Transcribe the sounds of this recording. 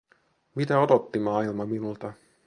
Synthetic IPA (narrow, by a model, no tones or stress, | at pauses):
mit̪æo̞d̪ot̪ːimɑːilmɑminult̪ɑ